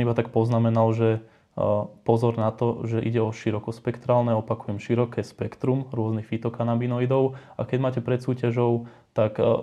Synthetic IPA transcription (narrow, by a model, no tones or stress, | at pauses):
ibat̪ak̚pɔznamɛnalʒɛ | pɔzɔɾnat̪ɔʒɛʔḭɟɛɔʃiɾɔkɔspɛkt̪ɾaːlnɛɔpakujɛmʃiɾɔkɛːspɛkt̪ɾumɾʊɔznixfit̪ɔkanabinɔid̪ɔʊakɛɟmaːcɛpɾɛt̪suːcaʒɔʊ | t̪ak